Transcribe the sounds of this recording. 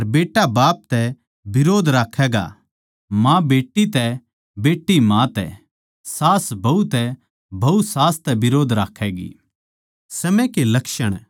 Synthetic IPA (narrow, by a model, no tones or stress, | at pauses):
ɐɾbeːʈːabaːp̚t̪ɛ | bɪɾoːd̪ʱɾaːkʰɛːɡa̰ | mãbeːʈːit̪ɛ | beːʈːimãt̪ɛ̰ | saːsbʱɐut̪ɛ | bʱɐusaːst̪ɛbɪɾoːd̪ʱɾaːkʰɛːɡḭː | sɐmɛ̃kelɐkʃəɽ̃